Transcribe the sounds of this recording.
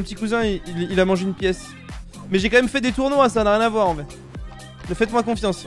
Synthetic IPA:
ɔpət̪ikuzɛ̃iililamɑ̃ʒeynpjɛs | mɛʒekɑ̃mɛmfɛd̪et̪uʁnwasanaʁjɛ̃navwaʁɑ̃vɛ | ləfɛt̪mwakɔ̃fjɑ̃s

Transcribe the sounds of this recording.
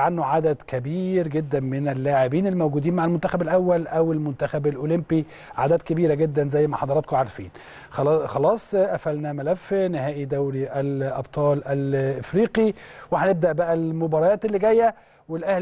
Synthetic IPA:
ʕanːoʕad̪æd̪kæbiːɾɡed̪ːæmɪnælːaːʕebiːnelːmæwɡuːd̪iːnmaʕelmont̪æxæbælʔæwːælʔæwelmʊnt̪æxæbælʔolɪmpi | ʕad̪æːd̪̚kæbiːɾæɡed̪ːænzæjːmæħɑd̪ɑɾˤɑt̪koʕaɾˤfḭːn | xɑxɑlɑːsˤʔæfʔælnæmælæfːnɪhæːʔid̪æwɾiʔælʔɑbt̪ˤɑːlʔælʔɪfɾiːqiweħæneb̚d̪æʔbæʔælmobɑːɾˤɑjæːt̪elːiɡæjːæ | welʔæhl

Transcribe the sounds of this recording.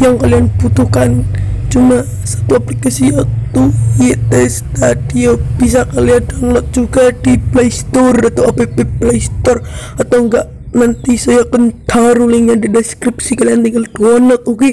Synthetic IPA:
jaŋkalianb̥ut̪uhkant͡ʃuma | sḁt̪uaplikasiat̪ujɛt̪ɛst̪adiob̥is̬akaliadanlɔk̪̚d͡ʒuɡadiplajst̪ɔrat̪awapepeplajst̪ɔrat̪awŋɡaʔ | nant̪isɔjakənt̪ʰaɾulɪŋjadidɛskɾip̚sikaliant̪iŋɡalduwɔnɔk̪̚uɡi

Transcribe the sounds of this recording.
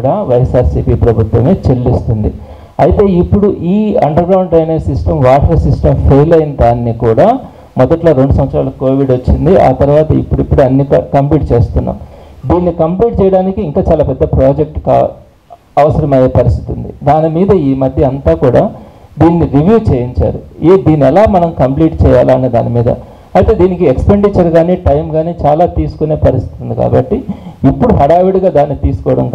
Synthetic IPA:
ɽaːʋɐjesaːɾsiːpiːpɾɐbʱut̪ʋɐme̞ːt͡ʃelːist̪und̪ḭ | ɐjit̪e̞ːipːuɽuʔiːɐ̰ɳɖɐɾɡɾɐwɳɖɾɐjneːsisʈɐmʋaːʈɐɾɐsisʈɐmpʰejlɐjinɐd̪aːnːikuːɽaː | mɔd̪ɐʈloːɾe̞ɳɖusɐmʋɐt̪sɾaːlɐko̞ːʋiɖot͡ʃːind̪iʔa̰ːt̪ɐɾuʋaːt̪ɐḭpːuɽipːuɽuɐnːiːkɐ̰kɐmpliːʈ̚t͡ʃe̞ːst̪unːa̰ːmd̪iːnːikɐmpliːʈ̚t͡ʃɛːjɐɽaːnikiːŋkaːt͡ʃaːlaːpɛd̪ːɐpɾaːd͡ʒek̚ʈka̰ | ɐʋɐsɐɾɐmɐjeːpɐɾist̪i̥t̪und̪ḭd̪aːnimiːd̪ɐiːmɐd̪ʱjɐɐnt̪aːkuːɽaːd̪iːnːiɾiʋjuːt͡ʃeːjiɲt͡ʃa̰ːɾueːd̪iːniɛlaːmɐnɐmkɐmpliːʈt͡ʃɛːja̰ːlaːɐned̪a̰ːnimiːd̪ɐ̰ | ɐjt̪e̞ːd̪iːnikiekspeɳɖit͡ʃɐɾɡaːniːʈɐjmɡaːniːt͡ʃaːlaːt̪iːsu̥kune̞ːpɐɾist̪i̥it̪und̪ika̰ːbɐʈːiipːuɽuɦɐɽaːʋiɽɡaːd̪aːnːit̪iːsu̥kɔːʋɐɽɐ̰m

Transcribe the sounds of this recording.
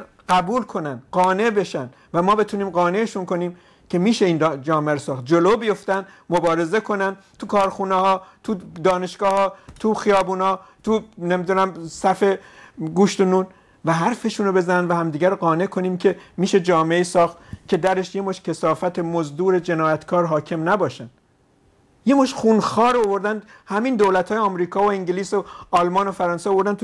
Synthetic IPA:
ɢæbuːlkʰo̞nænd̪ɢɒːne̞be̞ʃænd̪ | væmɒːbe̞t̪ʰuːniːmɢɒːne̞ːʃunko̞niːm | cʲʰe̞miːʃe̞iːndd͡ʒɒːmeæɾosɒːxt̪̚d͡ʒoloːbijo̞ft̪ænd̪ | mobɒːɾe̞ze̞kʰo̞næn | t̪ʰukʰɒːɾxuːnehɒːt̪ʰud̪ɒːne̞ʃɡ̥ɒːhɒːt̪ʰuxijɒːbuːnhɒːt̪ʰunemid̪unæmsæfe̞ɡuʃt̪onuːn | væɦæɾfe̞ʃuːnobe̞zænænd̪væhæmd̪iːɟæɾoɡɒːne̞kʰo̞niːmcʰe̞miːʃe̞d͡ʒɒːmeeiːsɒːxt̪cʰe̞d̪æɾeʃjemoʃcʰesɒːfæt̪ʰe̞mozd̪uːɾe̞d͡ʒe̞nɒːjæt̪kʰɒːɾɦɒːcʰe̞mnæbɒːʃæn | jemoʃxunxɒːɾovo̞ɾd̪ænd̪ | hæmiːnd̪owlæt̪ʰhɒːjeɒːmɾiːkʰɒːvoeŋɟeliːsoɒːlmɒːnofæɾɒːnseovo̞ɾd̪ænt̪

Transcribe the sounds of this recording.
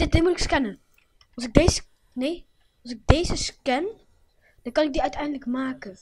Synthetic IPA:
ɪdimutɪkskɛnə | ɑlsɪɡ̚dejzə | ne | ɑlsɪɡ̚deːzəskɛn | d̥ɑnkɑnɪɡ̚diœɥtɛjndələkmaːkə

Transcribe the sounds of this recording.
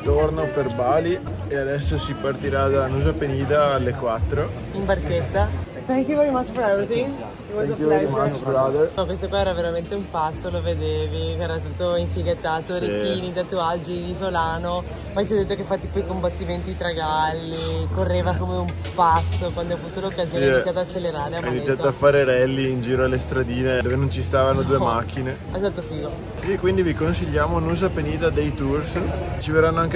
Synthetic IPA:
t̪ornoperbaːli | ead̪ɛsːosipart̪iɾad̪anuːzapeniːd̪aalːekwat̪ːɾo | imbarket̪ːa | t̪aŋkivaimasfɾad̪et̪i | kvaaɾad̪pɔkwest̪okwaɛːɾaveɾament̪eumpat̪sːoloved̪eːvikɛːɾat̪at̪ːoiɱfiɡet̪ːaːt̪oɾikiːnit̪at̪ːuad͡ʒid̪isolaːno | majt͡ʃiad̪ːet̪ːokefːat̪ːipɔjkombat̪ːiment̪it̪ɾaɡalːikorːeːvakomeum | pat̪sːokwand̪oɔavuːt̪olokːazioːeiisat̪oat͡ʃːelːeɾaːɾeaainvit̪ːjaːt̪oafaːɾeɾɛlːiːnd͡ʒiːɾoalːest̪ɾad̪iːned̪oːvenont͡ʃist̪aːvanod̪uemak̟ːine | ezat̪ːofiːɡo | sikwind̪ivikonsiʎːaːmonuzapeniːt̪ad̪ejt̪urst͡ʃivedɾanːoaŋk

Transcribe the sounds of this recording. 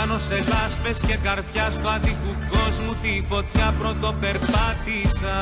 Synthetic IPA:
ɐno̞se̞ðɐspe̞sce̞kɐɾpçɐst̪uɐðikuko̞zmut̪ifo̞t̪çɐpɾo̞t̪o̞pe̞ɾpɐt̪isɐ

